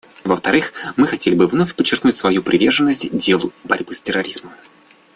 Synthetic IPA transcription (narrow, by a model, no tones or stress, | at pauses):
vəft̪ɐɾɨxmɨxɐtʲelʲɪbɨvnofʲpət͡ɕːɪrknutʲsvɐjupɾʲʔɪvʲe̞rʐɨnːəsʲtʲdʲelˠʊbɐɾʲbɨstʲɪrːɐɾʲizməm